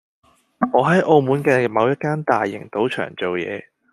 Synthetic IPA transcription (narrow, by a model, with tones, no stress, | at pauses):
ŋɔː˨˧ɦɐ˨˥jʔo˧wmuː˨˥nkɛː˧mɐ˨˧wjɐ˥t̚kaː˥nt̪aː˨˩jːɪ̰˨˩ŋt̪o˨˥wt͡ʃʰœ̰ː˨˩ŋt͡so˨wjɛ̰ː˨˧